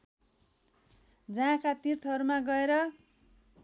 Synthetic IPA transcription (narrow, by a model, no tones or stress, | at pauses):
d͡zʌãkat̪irt̪ʰʌɾumaɡʌeɾʌ